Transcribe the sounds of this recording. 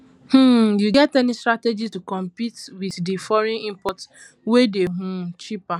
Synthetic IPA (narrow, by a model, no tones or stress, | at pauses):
h̩juɡɛtɛnistɾated͡ʒitukɔ̃mpitwiðdifɔɾĩnĩmpɔts | wedeɦũt͡ʃipa